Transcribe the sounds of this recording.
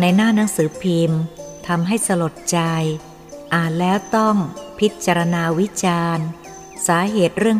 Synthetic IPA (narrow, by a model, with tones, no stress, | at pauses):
na˧jnaː˥˩na˦˥ŋsɯː˩˦pʰiː˧mt̪ʰa˧mɦa˥˩jsa˧lo˨˩t̪̚t͡ɕa˧j | ʔaː˨˩t̪̚lɛː˦˥wt̪ɔ˥˩ŋpʰi˦˥t̪̚t͡ɕa˧ɾa˧naː˧wi˦˥t͡ɕaː˧n | saː˩˦ɦeː˨˩t̪̚ɾɯ˥˩əŋ